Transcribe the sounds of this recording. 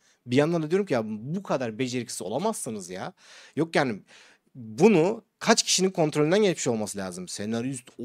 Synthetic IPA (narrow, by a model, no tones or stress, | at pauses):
bijand̪and̪ad̪ijo̞ɾumcʰijabukʰad̪aɾbe̞d͡ʒe̞ɾicʰsio̞̰lˠamassɯnɯzja̰ | jo̞kjaːni | bunu | kʰat͡ʃcʰi̥ʃininkʰo̞nt̪ɾolʲind̪anɟɛt͡ʃmiʃo̞lˠmasɯlʲaːzɯmsenaɾyst̪